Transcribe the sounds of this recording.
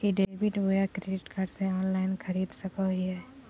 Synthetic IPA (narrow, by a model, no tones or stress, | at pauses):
kiɖeːbɪʈʋojakɾeɖɪʈkaːɖsẽɔːnlaːɪnxʰɐɾiːd̪sɐkaɦiɦɛː